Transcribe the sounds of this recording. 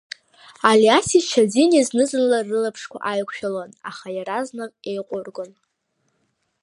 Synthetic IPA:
aliasit͡ʃʷʰad͡ziniznɨzɨnlarːɨlapʰʂkʷʰa̰ʔajkʷʰʃᶣalana̰χajaɾaznɨqʼejqʷʼʊrɡʼon

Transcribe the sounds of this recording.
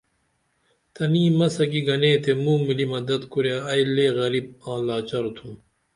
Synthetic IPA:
t̪ɐniːmɐsɐɡiɡɐneːt̪ʰemũːmilimɐd̪ɐd̪kuɾjaɐjleːɣɐɾib̚ãːlaːt͡ɕɐɾt̪ʰum

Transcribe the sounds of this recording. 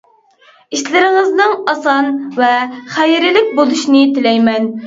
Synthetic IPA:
iʃlɪɾɪŋɪznɨŋɑsɑnvɛχæjɾɪlɪk̚ʲbolˠuʃnɪt̪ɪlɛjmɛn

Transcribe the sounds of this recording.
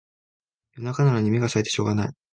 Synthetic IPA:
jo̞nakanaɾaɲ̟imʲiɡasaet̪e̞ɕo̞ːɡanai

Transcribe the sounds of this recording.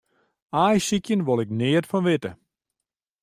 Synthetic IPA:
ajsikjənʋolˠɪknɪətfɔnʋɪtə

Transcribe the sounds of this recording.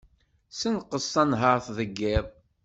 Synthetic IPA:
sənqəsˤːænɦəɾθðəɡːɪðˤ

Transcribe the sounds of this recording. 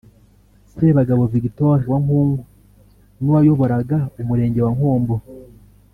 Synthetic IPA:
seβaɡaβoviɡitoɾiwaŋhuːŋɡu | nuwajo̞βo̞ɾaɡaumuɾe̞ːɲɟe̞waŋhoːmbo

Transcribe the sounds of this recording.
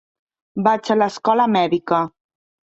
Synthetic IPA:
bat͡ʃələskɔləmɛðikə

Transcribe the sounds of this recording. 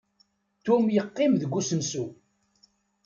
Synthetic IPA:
t̪umjəqːɪmðəɡʷːusənsu

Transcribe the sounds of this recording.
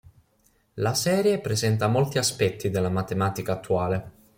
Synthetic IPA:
lasɛːɾjepɾezɛnt̪amolt̪iaspɛt̪ʰːid̪elːamat̪emaːt̪ikaːt̪ːuaːle

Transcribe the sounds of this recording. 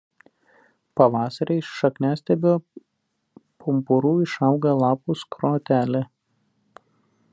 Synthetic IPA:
pɐʋɑːsɐɾʲʔɛɪʃʃɐknʲæːsʲt̪ʲɛbʲoː | pʊmpʊɾuːɪʃɐˑʊɡɐlˠɑːpʊskɾoːt̪ʲæːlʲɪ

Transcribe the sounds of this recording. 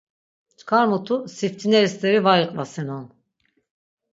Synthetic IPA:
t͡ʃkʰaɾmut̪ʰusift̪ʰineɾist̪eɾivajɯqʼvasinonˠ

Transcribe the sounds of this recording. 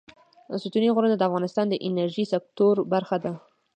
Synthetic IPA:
sut̪uniɣoɾənd̪ad̪əafɣɑnɪst̪ɑnd̪əʔɪnaɾʒisɪk̚t̪oɾbaɾxad̪a

